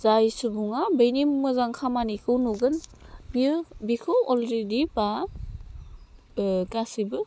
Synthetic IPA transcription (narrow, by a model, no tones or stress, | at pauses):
zajsubuŋabejnimmɯzaŋkʰamanikʰɯwnuɡɯnbibikʰɯɔlɾediba | kasibɯ